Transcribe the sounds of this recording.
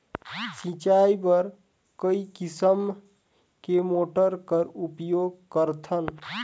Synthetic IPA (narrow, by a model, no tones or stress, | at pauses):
sĩt͡ʃaibəɾ | kəikisəm | kemoʈəɾkəɾupjoɡ̚kəɾt̪ʰən